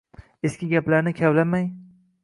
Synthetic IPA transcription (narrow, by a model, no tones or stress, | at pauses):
eskʲɪɡʲaplaɾnɪkʲʰavlamaj